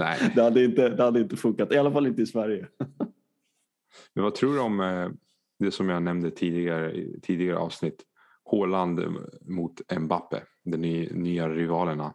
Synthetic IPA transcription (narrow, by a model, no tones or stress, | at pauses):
nɛ̰ɪd̪ɛhad̪ːəɪnt̪əd̪ɛhad̪ːəɪnt̪əfɵŋkat̪ɪalːafalɪnt̪əɪsvæɾjə | mɛnvat̪ʰɾuːɖɔm | d̪ɛsɔmjanɛmnd̪ət̪ʰiːd̪ɪɡaɾə̰t̪ʰiːd̪ɪɡaɾəʔɑ̰ːvsnɪt̪ː | hoːland̪mʊt̪ɛnbapːə̰ | d̪ɛnyːaɾɪvɑːləɳa̰